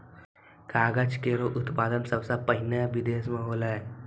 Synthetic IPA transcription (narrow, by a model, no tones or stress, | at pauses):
kaːɡət͡ʃkeːɾoʔʊt̪paːd̪ənsɐbsapəɦɪnaʋɪd̪eːsmẽɦoːlae